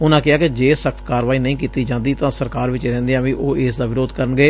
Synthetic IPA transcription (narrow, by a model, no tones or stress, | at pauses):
ʊnãːkɪaːkɪd͡ʒeːsəkʰt̪kaːɾʋaːiːnəĩːkiːt̪iːd͡ʒãːnd̪iːt̪ãːsəɾkaːɾʋɪt͡ʃːɾɛ̃ːnd̪eãːʋĩːʔoːeːsd̪aːʋɪɾoːd̪kəɾənɡeː